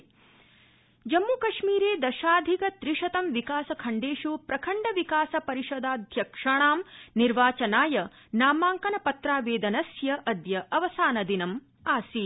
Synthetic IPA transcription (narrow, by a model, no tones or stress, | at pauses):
d͡ʒɐmːuːkɐʂmiːɾeːd̪ɐʃaːd̪ʱikɐt̪ɾiʂɐt̪ɐmʋikaːsɐkʰɐɳɖeːʂupɾɐkʰɐɳɖɐʋikaːsɐpɐɾiʂɔd̪aːd̪ʱjɐkʂɐɳ̃aːmniɾʋaːt͡ʃɐnaːjɐ | naːmaːŋkɐnɐpɐt̪ɾaːʋeːd̪ɐnɐsjɐʔɐd̪jɐʔɐʋɐsaːnɐd̪inɐm | aːsi